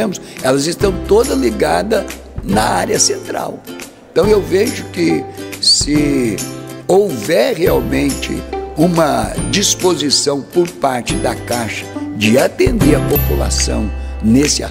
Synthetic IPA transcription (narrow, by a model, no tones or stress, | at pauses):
ẽmʊsɛlɐzɪst̪ɐ̃w̃t̪od̪ɐzliɡad̪ɐ | nɐaɾiɐsẽnt̪ɾa̰wẽt̪ɐ̃w̃ewveʒʊkɪsɪ | owvɛɾheawmẽnt͡ʃɪ̰ũmɐd͡ʒispozisɐ̃w̃poɾpaɾt͡ʃɪd̪ɐkaʃɐ̥d͡ʒɪat̪ẽnd̪eɾɐpopula̰sɐ̰̃w̃nesɪa̰